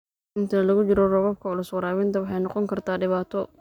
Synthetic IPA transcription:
ʔɪnt̪ʰɐlɐɣʊt͡ʃɪɾɔrɔβɐb̚kʰɐʊlʊswɑɾaːwɪnt̪ʰɐwɑħɑjnɔqɔŋkʰɐrt̪ʰaːɖɪβaːt̪ʰɔ

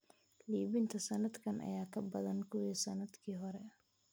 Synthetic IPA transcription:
liːβɪnt̪ʰɐsɐnɐd̪kʰɐnʔɐ̰jaːkʰɐbɐðɐnkʰʊwiːsɐnɐd̪kʰiːɦɔɾɛ

